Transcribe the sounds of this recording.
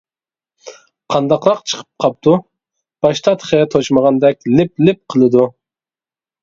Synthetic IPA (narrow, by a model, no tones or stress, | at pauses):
qʰɑnd̪ɑqɾɑqt͡ʃʰə̥qʰə̥p̚qʰɑp̚t̪ʰu | b̥ɑʃt̪ʰɑt̪χɛt̪ʰot͡ʃməʁɑnd̪ɛk̚ʲlɪplɪp̚qʰəlˠɨd̪u